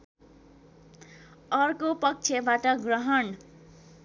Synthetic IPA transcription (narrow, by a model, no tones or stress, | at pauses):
ʌrkopʌk̚t͡sʰebaʈʌɡrʌɦʌn